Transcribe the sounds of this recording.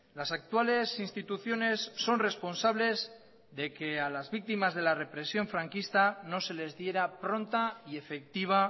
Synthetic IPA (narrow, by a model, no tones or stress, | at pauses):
lasak̚t̪uale̞sinst̪it̪uθjo̞ne̞sːo̞nre̞spo̞nsaβ̞le̞z | ðe̞ke̞alazβik̚t̪imazð̞e̞lare̞pɾe̞sjo̞ɱfɾaŋkist̪ano̞se̞le̞zðje̞ɾapɾo̞nt̪aie̞fe̞k̚t̪iβ̞a